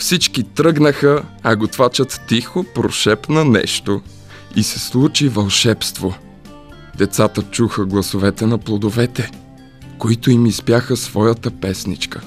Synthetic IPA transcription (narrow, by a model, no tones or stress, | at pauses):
fsit͡ʃkit̪ɾɤɡnəxəɐɡot̪vat͡ʃət̪ːixopɾo̰ʃɛpnɐnɛ̰ʃt̪o | isɛslˠut͡ʃivɐlˠʃɛpst̪vo | d̪ɛt̪sat̪ət͡ʃuxəɡlˠɐsovɛt̪ɛnɐplˠod̪ovɛt̪ɛ | koit̪oimispjaxəsvɔjət̪əpɛsnḭt͡ʃkə